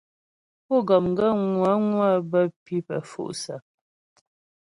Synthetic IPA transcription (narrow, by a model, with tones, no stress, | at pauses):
pɔ˦˨ɡɔ˨mŋ˦ɡə˦˨ŋwa˨˦ŋwa˦˨bə˦pi˦pə̰˨fṵ˦˨ʔsa˨